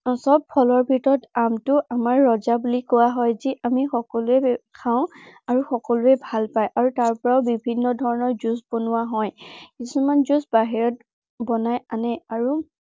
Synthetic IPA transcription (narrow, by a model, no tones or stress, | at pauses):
sɔb̚pʰɔlɔɹbʱitɔɹɔtamtʊamaɹːɔzabulikɔwaɦɔjziʔamixɔkɔluɛkʰaʊ̃aɹuxɔkɔluɛbʱalpajʔaɹutaɹpɔɹaʊbibʱinːɔdʱɔɹɔnɔɹzusbonʊwaɦɔjkisumanzusbaɦiɹɔt̚ | bɔnajanɛaɹu